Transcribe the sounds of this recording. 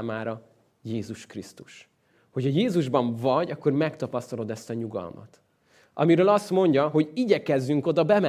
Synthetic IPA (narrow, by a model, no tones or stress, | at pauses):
maːɾɒ | jeːzuʃkrist̪uʃ | ho̞chɒjeːzuʒbɒɱvɒɟɒkːo̞rmɛkt̪ɒpɒst̪ɒlo̞d̪ɛst̪ɒɲuɡɒ̰lmɒ̰t̪ | ʔɒ̰miɾøːlɒst̪mo̞ɲɟɒɦo̞ɟiɟɛkɛzːyŋko̞d̪ɒbɛmɛ